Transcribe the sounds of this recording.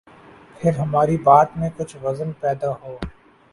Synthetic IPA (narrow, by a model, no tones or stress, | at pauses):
pʰɪɾɦɐmaːɾibaːt̪mẽkʊt͡ʃʰʋɐzənpɛːd̪aɦoː